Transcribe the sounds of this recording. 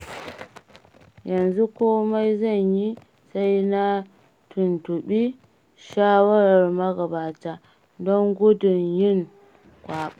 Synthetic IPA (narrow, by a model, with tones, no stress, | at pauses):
jɐ˨nzu˦kʷoː˦ma˦jzɐ˦˨ɲji˦ | sa˦jna˦ | tʰʊ˨ntʊ˨ɓiː˦ | ʃaː˦wɐ˦ɾɐ˨rmɐ˦ɡɐ˨baː˨taː˦ | dɔ˦ŋɡʷʊ˦dʊ˨ɲjɪ˦˨ŋ | kʷaː˨ɓa˦